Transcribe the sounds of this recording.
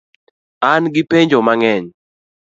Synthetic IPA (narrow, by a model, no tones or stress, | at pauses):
anɡɪpeɲd͡ʒomaŋɛɲ